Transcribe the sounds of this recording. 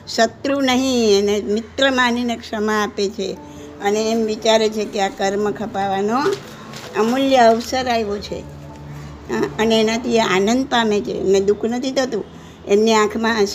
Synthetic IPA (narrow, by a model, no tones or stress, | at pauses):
ʃət̪ɾunəɦĩenemɪt̪ɾəmaninekʂəmaːpet͡ʃʰe | əneːmʋit͡ʃaɾet͡ʃʰekeakəɾməkʰəpaʋano | əmuljəːʋsəɾajʋot͡ʃʰḛ | ɦəneːnat̪ʰieanənd̪̚pamet͡ʃʰḛːmned̪ukʰnət̪ʰit̪ʰət̪ũ | emniãkʰmãəʃ